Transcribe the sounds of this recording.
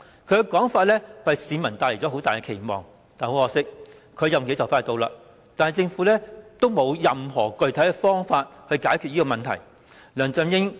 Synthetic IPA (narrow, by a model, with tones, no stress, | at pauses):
kʰɵ˨˧ɥkɛ˧kɔː˨˥ŋfaː˧t̚lɛː˥ɐ˨jsiː˨˧mɐ˨˩nt̪aː˧le˨˩t͡sɔ˨˧˥o˨˥wt̪aː˨jkɛ˧kʰe˨˩jmɔ̰ː˨ŋ | t̪aː˨˩nho˨˧wɔː˧sɪ˥k̚ | kʰɵ˧ɥjɐ˨mke˨˥t͡sɐ˨˩wfaː˧˥t̪o˧wla̰ː˧ | t̪aː˨nhɐ˨jt͡sɪ˧ŋfuː˨˥lɛː˥t̪o˥wmo˨˧wjɐ˨mɦɔː˨˩kɵ˨ɥt̪ʰɐ˨˥jkɛ˧fɔː˥ŋfaː˧t̚hɵ˧ɥkaː˨˥jkʰy˨t̚jiː˥kɔː˧mɐ˨nt̪ʰɐ˨˩j | lœː˨˩ŋt͡sœ˧mjɪ˥ŋ